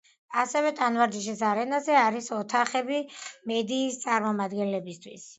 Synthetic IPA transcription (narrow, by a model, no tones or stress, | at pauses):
asɛvɛt̪ʼanvaɾd̪iʃ̬isaɾɛnazɛaɾisɔt̪ʰaχɛbimɛd̪iːst̪sʼaɾmɔmad̪ɡɛnlɛbist̪ʰwis